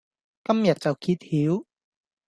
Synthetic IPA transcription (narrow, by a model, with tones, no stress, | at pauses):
kɐ˥mjɐ˨t̚t͡sɐ˨˩wkʰiː˧t̪̚hiː˨˥w